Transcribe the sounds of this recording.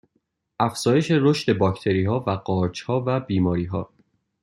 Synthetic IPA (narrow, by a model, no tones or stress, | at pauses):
ʔæfz̥ɒːjeʃeɾo̞ʃt̪e̞bɒːcʰt̪ʰe̞ɾiːɦɒːvæɢɒːɾd͡ʒhɒːvæbiːmɒːɾiːɦɒː